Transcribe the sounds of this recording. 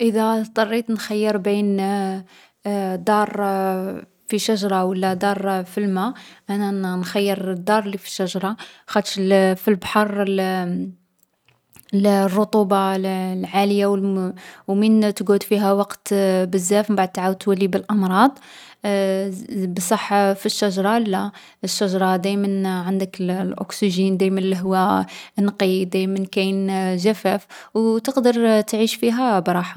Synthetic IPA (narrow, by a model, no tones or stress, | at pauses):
ʔəðæt̪ˤɑrˤːit̪nxæjːəɾbin | d̪ɑɾˤ | fiʃæʒɾˤɑwəlːæd̪ɑɾˤfilmæʔænænxæjːəɾd̪ːɑɾˤlːifi̥ʃæʒɾˤɑxæd̪ʃlfilbħɑɾˤ | lrˤːʊt̪ˤubɑllʕaləjaw | wmint̪ɡud̪fiɦæwɑqt̪bəzːæfmbaʕd̪̚t̪aʕawt̪wælːibəlʔɑmɾˤɑd̪ˤ | bsˤɑħːfiʃːæʒɾˤɑlːæ | əʃːæʒɾˤɑd̪æjmənʕənd̪əkllʔʊ̰ksiʒind̪æjmənliɦʊwːænqid̪æjmənkæjnʒæfæfwt̪əqd̪əɾˤt̪ʕiʃfiɦæbɾˤɑħḁ